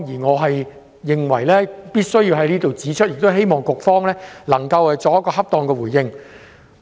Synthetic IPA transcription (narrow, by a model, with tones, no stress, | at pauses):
jiː˨˩ŋɔː˨˧ɦɐ˨j | jɪ˨ŋwɐ˨˩jlɛː˥piː˥t̚sɵ˥ɥjiː˧wɦɐ˨˥jniː˥t̪o˨wt͡siː˨˥t͡ʃʰɵ˥jɪ˨k̚t̪ɦe˥jmɔː˨ŋkʊ˨k̚fɔː˥ŋlɛː˥lɐ˨˩ŋkɐ˧whɐ˨jt͡sɔː˨˧k̚jkːɔː˧hɐ˥p̚t̪ɔː˧ŋkɛː˧wuː˨˩jɪ˧ŋ